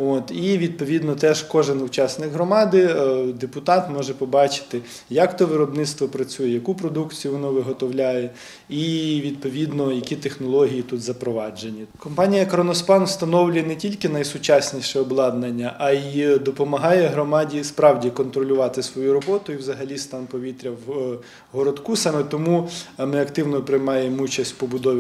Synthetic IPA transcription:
ot̪iʋʲid̪̚pɔʋʲid̪nɔt̪ɛʒkɔʒɪnʊt͡ʃɑsnɪkɦɾɔmɑd̪ɪd̪epʊt̪ɑt̪mɔʒɛpɔbɑt͡ʃɪ̥t̪ɪ | jɐkt̪ɔʋɪɾɔbnɪt̪st̪ʋɔpɾɐt͡sʲujɛjɐkupɾɔd̪ukt͡sʲijʊʋɔnɔʋɪɦɔt̪ɔwlʲajɛ | iʋʲid̪̚pɔʋʲid̪nɔjɐkʲit̪exnɔlˠɔɦʲijit̪ut̪zɐpɾɔʋɑd͡ʒenʲːikɔmpɑnʲijɐkɾɔnɔspɑnwst̪ɐnɔwlʲʊjɛnɛtʲilʲkɪnɐjsʊt͡ʃasʲnʲiʃɛɔblˠɑd̪nenʲːɐʔɐid̪ɔpɔmɐɦɑjɛɦɾɔmɑdʲispɾɑwdʲikɔnt̪ɾɔlʲʊʋɑt̪ɪsʋɔjuɾɔbɔt̪ʊiwzɐɦɐlʲist̪ɑnpɔʋʲit̪ɾʲɐw | ɦɔɾɔd̪kusɑmɛt̪ɔmumɪɐkt̪ɪwnɔpɾɪjmɑjemut͡ʃɐsʲtʲpɔbʊd̪ɔ

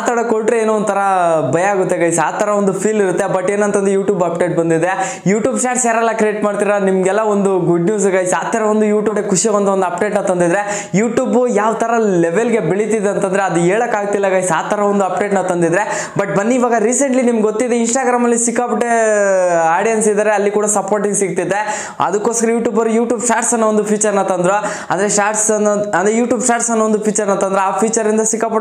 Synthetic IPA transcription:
at̪ɐɽɐkoɭʈɾeeːnoːnd̪t̪ʰɐɾɐbɐjaːɡut̪ːeɡɐjsaːt̪ʰɐɾɐond̪upʰiːliɾut̪ːebɐʈːe̞ːnɐnt̪ɐnd̪ɾejuːʈjuːbɐpɖeːʈ̚bɐnd̪id̪ɾe | juːʈjuːbt͡ʃaːʈseːɾɐlːakɾieːʈmaːɽt̪iːɾɐnimɡɛlːɐond̪uɡuɖnjuːsɡɐjsaːt̪ʰːɐɾɐʋond̪ujuːʈjuɽekuʂiɐond̪ond̪ɐp̚ɖe̞ːʈnɐt̪ɐnd̪id̪ɾe̞ | juːʈjuːbujaːʋt̪ʰɐɾɐlɛʋelɡe̞biɭit̪id̪eɐnt̪ɐnd̪ɾeɐd̪ueːɭɐkːaːɡ̚t̪ilːɐɡajsaːt̪ʰɐɾɐond̪uɐp̚ɖe̞ːʈnɐt̪ɐnd̪id̪ɾe̞ | bɐʈ̚bɐnːiːʋaːɡɐɾiːseɳʈlinimɐɡɡot̪ːid̪einsʈaːɡɾaːmɐlːisikːaːpɐʈːe | aːɖijɐnsid̪aːɾeɐlːikuːɽɐsɐpoːɾʈiŋɡsiɡ̚t̪id̪ːe̞ | ɐ̰d̪ɐkːoːskɐɾɐjuːʈjuːbɐɾujuːʈjuːbt͡ʃʈaːʈsɐnːoond̪upʰiːt͡ʃɐɾnɐt̪ɐnd̪ɾo | ɐ̰nd̪ɐɾesʈaːɾʈsnɐnd̪ɾejuːʈjuːbt͡ʃʈaːʈsɐnːoond̪upʰiːt͡ʃɐɾnɐt̪ɐnd̪ɾeaːpʰiːt͡ʃɐɾind̪ɐsikːaːpɐ

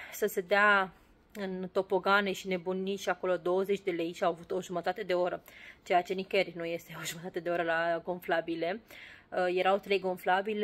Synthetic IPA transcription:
səse̞d̪ea | ɨnt̪o̞po̞ɡaneʃine̞buniʃiako̞lo̞d̪o̞wəze̞t͡ʃʲd̪e̞le̞jʃiawavut̪o̞ʒumət̪at̪e̞d̪e̞o̞ɾət͡ʃe̞jat͡ʃe̞nikernuje̞st̪eo̞ʒumət̪at̪e̞d̪e̞o̞ɾəlaɡo̞nflabile̞ | je̞ɾawt̪ɾe̞jɡo̞nflabil

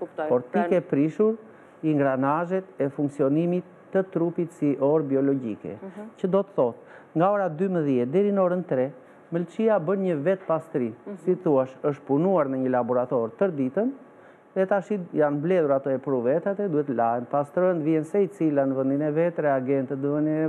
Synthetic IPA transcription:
pɔɾt̪ikɛpɾiʃuɾ | iŋɡɾanaʒɛt̪ɛfuŋksiɔnimit̪ːət̪ɾupit̪siʔɔɾbiɔlɔɟḭkɛ̰cəd̪ɔt̪əθɔt̪ | ŋɡaɔɾad̪yməðjɛt̪̚d̪ɛɾinəɔɾənt̪ɾɛ | məlt͡ʃiabənɲəvɛt̪past̪ɾisiθuaʃəʃt̪̚punuaɾnəɲəlabɔɾat̪ɔɾt̪əɾd̪it̪ən | ðɛt̪aʃijanmblɛðuɾat̪ɔɛpɾuvɛt̪at̪ɛd̪uɛt̪əlaɦɛnpast̪ɾɔnd̪viɛnsɛit͡silanəvənd̪inɛvɛt̪ɾɛaɡɛnt̪əd̪vənɛ

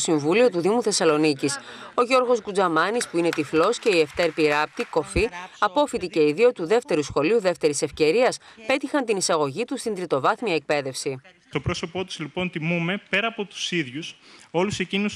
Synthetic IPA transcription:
siɱvulio̞t̪uðimuθe̞sɐlo̞niciso̞ʝo̞ɾɣo̞skud͡zɐmɐnispuine̞t̪iflo̞sce̞ie̞ft̪e̞ɾpiɾɐp̚t̪iko̞fiɐpo̞fit̪ice̞iðio̞t̪uðe̞ft̪e̞ɾusxo̞liuðeft̪e̞ɾise̞fce̞ɾiɐspe̞t̪ixɐnt̪inisɐɣo̞ʝit̪ust̪ind̪ɾit̪o̞vɐθmiɐek̚pe̞ðe̞fsi | st̪opɾoso̞po̞t̪u̥zlipo̞nt̪imume̞pe̞ɾɐːpo̞t̪u̥siðʝuso̞luse̞cinus

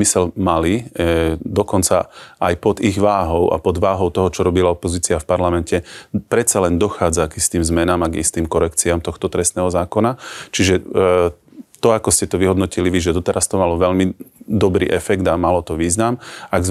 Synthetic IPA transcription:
isɛlmali | d̪ɔkɔnt͡saʔajpɔd̪iɣʋaːɦɔʊa̰pɔd̪ʋaːɦɔʊt̪ɔɦɔt͡ʃɔɾɔbilaɔpɔziːt͡siafpaɾlamɛncɛpɾɛt̪t͡salɛnd̪ɔxaːd͡zaɡist̪iːmzmɛnaːmaɡḭst̪iːmkɔɾɛkt͡siamt̪ɔxt̪ɔt̪ɾɛst̪nɛːɦɔzaːkɔnat͡ʃiʒɛ | t̪ɔakɔscɛt̪ɔʋiɦɔd̪nɔciliʋiʒɛd̪ɔt̪ɛɾʔast̪ɔmalɔʋɛʎmid̪ɔbɾḭːʔɛfɛɡd̪amalɔt̪ɔʋiːznamaɡz

